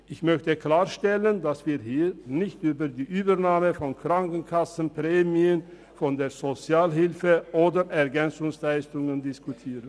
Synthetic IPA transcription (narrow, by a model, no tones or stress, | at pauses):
ʔɪçmœçtəkl̥aːɐʃtɛləndasv̥iːɐɦiːnɪçtʔyːbɐdiːʔyːbənaːməfɔnkʁ̥aŋkn̩kʰasn̩pʁ̥ɛːmiən | fɔndeːɐzot͡sjaːlɦɪlfəʔoːdəʁʔɛɐɡɛnt͡sʊŋslaɪstʊŋəndɪskutʰiːʁən